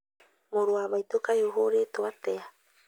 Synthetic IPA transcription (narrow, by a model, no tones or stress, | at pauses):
moɾuaβajt̪okajoɦoɾet̪oat̪ea